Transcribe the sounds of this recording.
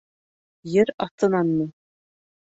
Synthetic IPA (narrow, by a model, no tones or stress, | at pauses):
jɘɾɑt̪ɤ̆nɑnːɤ